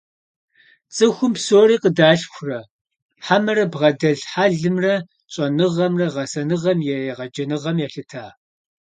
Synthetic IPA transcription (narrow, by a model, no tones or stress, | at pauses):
t͡sʼɨxʷʊmpsoːriːqədaːɬxʷʊrɐ | ħamɐɾɐbʁɐdɐɮħaːɮɨmrɐ | ɕʼɐnɨʁɐmrɐʁɐsɐnɨʁɐmjɛeʁɐd͡ʒɐnɨʁɐmjɛɬɨtʰaː